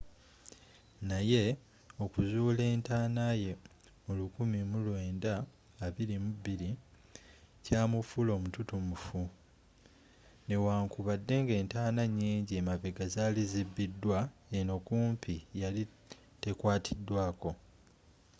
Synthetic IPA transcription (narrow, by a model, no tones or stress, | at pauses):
naje̞ | o̞kuzuːle̞ːntaːnaje̞ | mulukumimulwe̞ːndaː | βiɾimuβiɾi | caːmufulo̞ːmututumufu | ne̞waːŋkuβadːe̞ŋɡe̞ːntaːnaɲːiːɲɟemaβeɡazalizibːidːwaeno̞kuːmpʰijali | te̞kwaːtʰidːwaːko̞